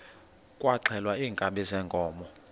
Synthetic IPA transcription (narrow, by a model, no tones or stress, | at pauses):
kʼwaǀʰɛlwaiːŋkʼaɓɛzɛːŋkʼɔːmɔ